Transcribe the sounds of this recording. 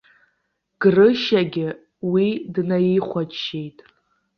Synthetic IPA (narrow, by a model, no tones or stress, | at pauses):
ɡ̥rɨʃaɡʲɪ | widnajiχʷat͡ʃʃejtʼ